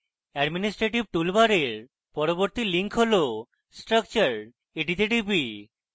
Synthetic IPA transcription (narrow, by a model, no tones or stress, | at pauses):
ɛɖminisʈɾeʈib̚ʈulbaɾeɾ | pɔɾoboɾt̪iliŋkʰɦolo | sʈɾək̚t͡ɕaɾ | eʈit̪eʈibi